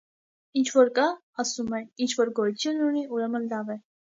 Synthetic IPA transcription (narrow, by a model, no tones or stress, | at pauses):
int͡ʃʰvɔɾkɑ | ɑsumɛint͡ʃʰvɔɾɡɔjut̪ʰjunːuniʔuɾɛmənlɑvɛ